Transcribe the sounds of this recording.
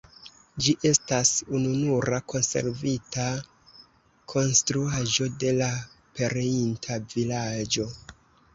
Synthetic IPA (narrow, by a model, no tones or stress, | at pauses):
d͡ʒiʔe̞stasununuɾakʰo̞nse̞̰ɾvita | kʰo̞nstɾuaʒo̞de̞lape̞ɾeintʰavilad͡ʒo̞